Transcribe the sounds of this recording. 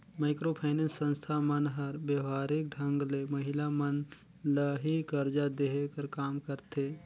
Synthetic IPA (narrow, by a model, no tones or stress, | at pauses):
maːɪkɾoːpʰaːnensːə̃nst̪ʰamənɦəɾbjəʋaːɾɪk̚ɖʱə̃ŋɡlemɐɦɪlamən | ləɦikəɾd͡ʒad̪eɦkəɾkaːmkəɾt̪eː